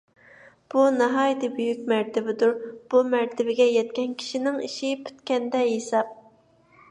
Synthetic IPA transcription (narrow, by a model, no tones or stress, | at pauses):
b̥unɑɦɑːjt̪ʰɨbyjykʲmæɾt̪ʰɪbɪd̪uɾb̥umæɾt̪ʰɪbɪɡʲɛjɛt̪kʲɛnkʲʰi̥ʃinɪŋiʃipʰy̥t̪kʲɛnd̪ɛjesɑp̚